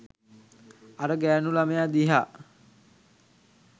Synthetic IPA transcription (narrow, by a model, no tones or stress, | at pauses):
aɾəɡæːnulamejad̪iɦa